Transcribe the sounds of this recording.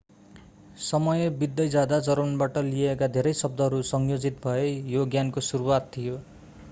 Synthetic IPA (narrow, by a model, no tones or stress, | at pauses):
sʌmʌjebid̪ːʌjd͡zad̪ad͡zʌɾmʌnbaʈʌlijekad̪ʱeɾʌjsʌb̚d̪ʌɦʌɾusʌŋjod͡zit̪bʱʌejoɡjankosuɾuwat̪tʰijo